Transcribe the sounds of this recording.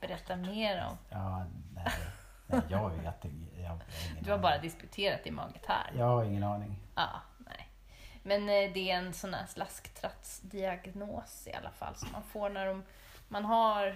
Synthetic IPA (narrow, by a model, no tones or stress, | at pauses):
b̥ɛɾɛt̪ːameːɾɔ̰mɑːnɛ | nɛjɑːvɪt̪ɛjɑɪd̪ɵhaɾbɑːɾad̪ɪskɵt̪ʰeːɾat̪ɪmɑ̰ːɡət̪hæ̰ːɾjɑːhaɾɪŋːənɑːnɪŋʔɑ̰ː | nɛ̰j | mɛnd̪ɛːɾɛnsɔnːæ̰ːʂlaskt̪ʰɾat̪sd̪ɪaɡnoːsɪ̰a̰lːa̰fa̰lːsɔmːa̰nfoːɳæɖɔm | manɦaɾ